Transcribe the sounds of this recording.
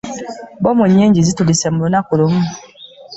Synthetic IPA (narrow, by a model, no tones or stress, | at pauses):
bɔmoɲeɲd͡ʒizitodisɛmɾonakolom̩